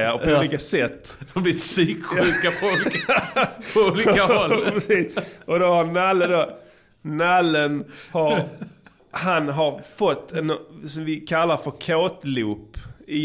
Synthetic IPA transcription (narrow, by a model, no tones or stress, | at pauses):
apɔuliːkasɛt̪ːd̪ɛmablɪɪt̪syːkɧʉːkafɔlk | pʰɔuːliːkahɔlɛsiːʔɔd̪ɔhaɾnalːəd̪o | nalːənhaɾ | hanɦaɾfɔt̪ʰːɛnsɔmvɪkʰalːaɾfœɾkʰoːt̪lʉːpɪ